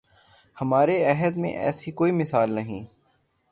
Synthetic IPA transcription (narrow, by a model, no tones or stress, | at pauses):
hɐmaːɾeɛɦəd̪mḛ̃ʔɛ̰ːsikoːimɪsaːlnɐɦĩː